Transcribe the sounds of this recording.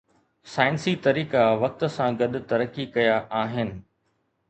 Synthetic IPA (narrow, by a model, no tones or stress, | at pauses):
saːɪnsit̪ɐɾiːkaʋɐk̚t̪ʊ̆sãɡɐɗʊ̆t̪ɐɾəkikɐjaʔaːɦɪnɪ̆